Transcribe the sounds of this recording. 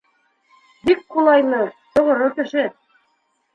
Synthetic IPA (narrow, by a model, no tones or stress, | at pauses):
bikqulˠɑjnɤt̪ŏʁŏɾokɘ̆ʃɘ